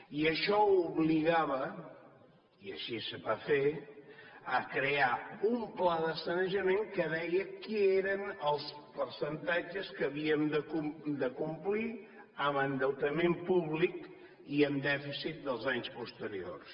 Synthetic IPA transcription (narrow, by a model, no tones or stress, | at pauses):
iəʃɔuβliɣaβə | iə̰ʃisəβafe | əkɾeaumplaðəsənəʒəmeŋkəðɛjəkieɾənəlˠspəɾsənt̪ad͡ʒəskəːβiəmd̪əkud̪əkumpli | əmənd̪əwt̪əmempuβlik | iəmd̪ɛfisit̪̚d̪əlˠzaɲspust̪əɾio̰rs